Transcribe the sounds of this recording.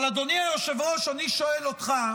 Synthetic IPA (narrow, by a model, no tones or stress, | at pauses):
lad̪oniajoʃevʁoʃaniʃo̞elot̪χa